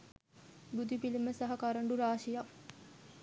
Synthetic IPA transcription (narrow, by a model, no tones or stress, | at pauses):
bud̪ipiliməsaɦɐkaɾəɳɖuɾaːʃijɐk